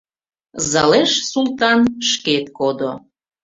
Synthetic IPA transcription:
zɑleʃsult̪ɑnʃket̪kod̪o

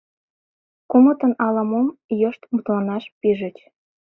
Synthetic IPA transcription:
kumət̪ənɑlɑmomjɤʃt̪mut̪lɑnɑʃpiʒət͡ɕ

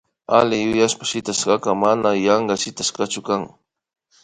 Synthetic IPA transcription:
alɪjʊjaʃpḁʃɪt̪aʃqɑkamanajɑɴɢɑʃɪt̪askat͡ʃʊkaŋ

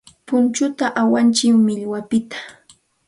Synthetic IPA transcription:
pʊnt͡ʃʊt̪aʔawant͡ʃɪmmɪʎwapɪt̪ḁ

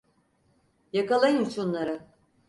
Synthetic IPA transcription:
jakalˠajɯmt͡ʃʰonlˠaɾa

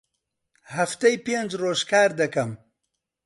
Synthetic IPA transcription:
haft̪ɐjpend͡ʒɾoːʃkaːɾd̪ɐkɐm

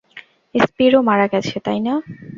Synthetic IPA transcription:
espiɾomaɾaɡɛt͡ɕʰet̪ajna

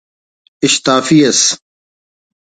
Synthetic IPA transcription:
ɪɕt̪aːfiːɐs

